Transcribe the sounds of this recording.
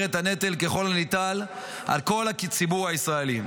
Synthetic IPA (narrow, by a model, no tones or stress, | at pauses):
ʁet̪hane̞t̪elke̞χo̞lanit̪al | a̰lko̞lakt͡sibuʁaisʁae̞li